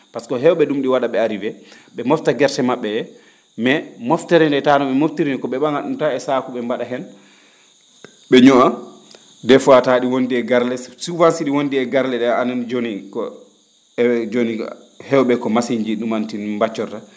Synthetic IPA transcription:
paskɔɦɛwɓɛɗumɗiwaɗaɓɛaɾivɛ | ɓɛmɔftaɡɛɾtɛmaɓːɛɛ | mɛmɔftɛɾɛndɛtanɔmɛmoftiɾinɛkɔɓɛɓaŋaɗumtaɛsakuɓɛmbaɗaɦɛn | ɓɛɲɔa | dɛfɔataɗiwondiɛɡaɾlɛsuvansiɗiwondiɛɡaɾlɛɗɛanand͡ʒonikɔ | d͡ʒoni | hɛwɓɛkɔmasiɲd͡ʒiɗumantinmbat͡ʃːɔɾta

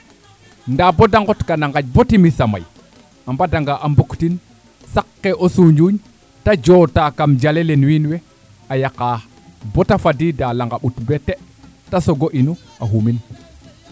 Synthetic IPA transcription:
ndabodaŋɡɔtkanaŋɡat͡ʃ̚botimisama̰j | ambadaŋɡaʔambuktin | sakːeʔosuɲd͡ʒuːɲ | tad͡ʒotakamd͡ʒalelenwinwɛ | ajaqaː | botafadidalaŋɡaɓutbetɛ | tasoɡoʔinu | ʔaɦumin

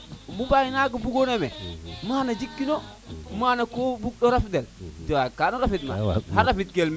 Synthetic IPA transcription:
bubainaɡabuɡonamɛmaːnad͡ʒikːino | manakobuk̚ɗoɾafdeltoakanoɾafit̚ma̰haɾafit̚kelm

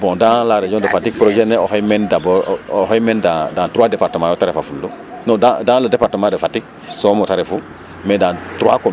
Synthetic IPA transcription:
bɔ̃dãlaɾed͡ʒɔ̃ndəfatːik̚pɾoʒɛneohɔjmɛndabooɦɔjmɛndãdãːtɾuwadepaɾtəmãjotaɾefafulːu | nɔ̃dãdãːlədepaɾtəmãdəfatik̚ | somotaɾefu | mɛdãntɾuwa̰ko

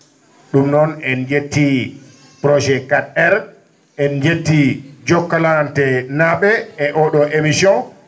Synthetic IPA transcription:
ɗumnɔnɛnd͡ʒetːi | pɾɔd͡ʒɛkːaɛɾ | ʔɛnd͡ʒetːid͡ʒɔkːalantɛnaɓɛɛʔɔɗɔʔemisjɔn

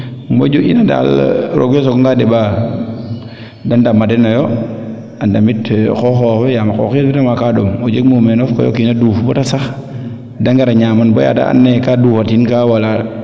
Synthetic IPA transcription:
mɔd͡ʒuʔinada̰lɾʔɔ̰ɡɔsɔkɔŋɡadɛba | dandamadɛnajɔ | andamitkɔxɔhɛjamakɔ̰xifitamakaɗɔmɔd͡ʒekmumɛnɔfkɔjɔ̰kinadufbɔtasax | daŋɡaɾaɲamanbɔ̰ja̰da̰a̰nːɛkaduːfatinkawala

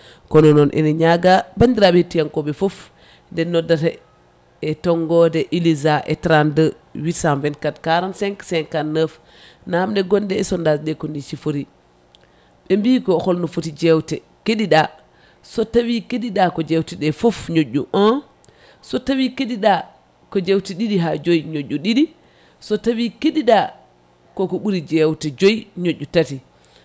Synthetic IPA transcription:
kɔnɔnɔnʔɛ̰nɛɲaɡabandiɾabɛtːijaŋkɔɓɛfof | ndɛnːɔdatɛ | ɛtɔŋɡɔdɛʔilizaʔɛ̰tɾandə | wisanvɛnkatkaɾansɛŋksɛŋkanːəf | namdɛɡɔndɛːsɔndasɗɛkonit͡ʃifoɾi | ɓɛmbiːkɔhɔlnɔfotid͡ʒɛwtɛ | keɗiɗa | sɔtawikeɗiɗakɔd͡ʒɛwtiɗɛfofɲoɟːṵʔɔn | sɔtawikeɗiɗa | kɔd͡ʒewtiɗiɗiɦad͡ʒojɲoʔːuɗiɗi | sɔtawikeɗiɗa | kɔkɔɓuɾid͡ʒɛwtɛd͡ʒojɲoʔːutati

